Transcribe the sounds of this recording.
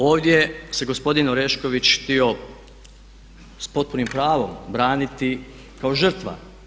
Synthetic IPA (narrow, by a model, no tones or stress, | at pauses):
o̞ːʋd̪ʲjese̞ɡo̞spo̞d̪inoɾeʃko̞ʋit͡ɕxt̪io̞ | spo̞t̪̚puɾnimpɾaːʋo̞mbɾaːnit̪i | kao̞ʒər̩t̪ʋa̰